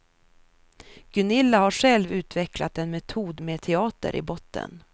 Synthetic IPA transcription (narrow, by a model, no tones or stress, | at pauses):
ɡ̥ɵnɪlːahaʂɛlvʉ̟ːt̪vɛklat̪ɛnmɛt̪ʰuːd̪meːt̪ʰɛɑːt̪ə̰ɾʔɪ̰bɔt̪ːə̰n